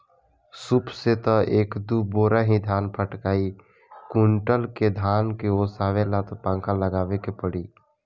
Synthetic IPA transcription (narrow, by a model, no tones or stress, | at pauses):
sʊpʰset̪ɔʔeːkd̪uboːɾaɦĩd̪ʱaːnpʰəʈkaːi | kʊɳʈəlked̪ʱaːnkeosaːʋelat̪pãːŋkãləɡaːʋekepəɽiː